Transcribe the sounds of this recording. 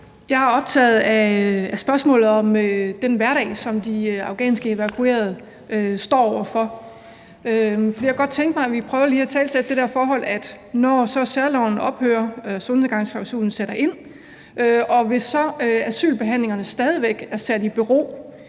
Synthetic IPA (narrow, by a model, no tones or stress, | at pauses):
jɑ̈ɪhɑ̈ɒ̽b̥̚t͡sʰɛ̰ːð̩ˠææsb̥ɶɐsmɔ̰̽ːlð̩ˠɒ̽mød̥enʋæɐɾɛ̰ɪsɒ̽md̥iɑ̈ʊɡ̥ɛ̰ːnsɡ̥əe̝ʋækʰue̝̰ɐð̞̩ˠ | øsd̥ɒ̰ːɒʊ̰ɐfɒ̽ | øfɒd̥ḭːɑɡɒ̽d̥̚t͡sʰeŋɡ̥d̥̚mɑ̈ɪæʋipʰʁœːʊɐliːæt͡sʰɛ̰ːlsed̥̚d̥e̝d̥ɛɐfɒːɦɒ̽l̰æd̥ | nɒsɒ̽sæɐlɒʊn̩ɒ̽b̥hø̰ːɐson̩ˠɡ̥ɑ̈ŋ̰sfɑ̈ʊsṵːn̩seɾ̥ɐʔe̝n̰ | ʔøɒ̽ʋe̝sːɒ̽øæsy̰ːlb̥e̝ɦæn̰le̝ŋɐnəsd̥ɛːð̞ˠiʋeɡ̥æɐsæd̥ib̥yʁo̝̰ː